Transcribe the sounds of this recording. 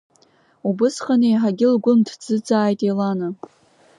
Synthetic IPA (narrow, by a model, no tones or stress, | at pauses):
ubɨsχanejħaɡʲɪlɡʷʊntʰd͡zɨd͡zaːjtʼelanɨ